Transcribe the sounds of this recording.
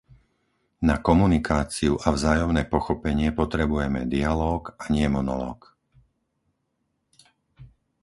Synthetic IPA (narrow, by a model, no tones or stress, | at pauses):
nakɔmunikaːt͡siuʔavzaːjɔmnɛːpɔxɔpɛɲɪɛpɔt̪ɾɛbujɛmɛd̪ialɔːkaɲɪɛmɔnɔ̰lɔ̰ːk